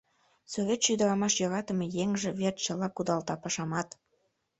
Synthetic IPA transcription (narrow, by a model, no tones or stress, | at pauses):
sovʲet̪ʃyd̪əɾɑmɑʃjɑɾɑt̪ə̆mejeŋʒĕβert̪t͡ɕəlɑkud̪ɑlt̪ɑpɑʃɑmɑt̪